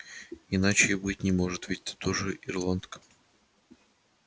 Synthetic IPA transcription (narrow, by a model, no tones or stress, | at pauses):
ɪnat͡ɕɪibɨtʲnʲɪmo̞ʐɨt̪vitʲt̪ḁt̪oʐɨʔɪrlˠant̪k